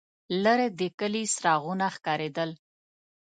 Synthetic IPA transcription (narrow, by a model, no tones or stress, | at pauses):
ləɾed̪əkəlisɾɑɣunaxkɑɾed̪əl